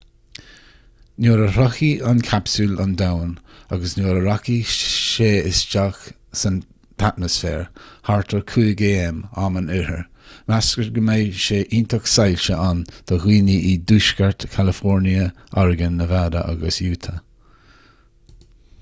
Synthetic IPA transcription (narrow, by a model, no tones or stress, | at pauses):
noːɾəɾɔxiankʰapsula̰nd̪awnaɡəsnjoːɾəɾaxiʃeːɪsd͡ʒax | sən | t̪ʰat̪məsfɛ̰ːɹhaɹt̪ʰəɹkʰuːɡeːɛmamənɪɾəɹmaskəɹɡəmeːʃeːʔiːnt̪ʰəksajlʃəʔand̪̥ʰəɣiːniʔid̪uːʃkəɹt̪kʰalɪfɔɹniə | ɔɹɡənːəvaːd̪ə̰ʔa̰ɡəsjuːt̪ʰə